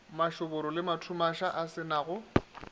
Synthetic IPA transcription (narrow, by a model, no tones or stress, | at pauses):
maʃʊbʊɾɔlɪmatʰumaʃaʔasɪnaɣʊ